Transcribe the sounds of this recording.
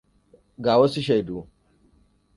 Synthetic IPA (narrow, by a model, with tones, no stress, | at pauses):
ɡaː˨wɔ˦si˦ʃ̬ɐ˨jduː˨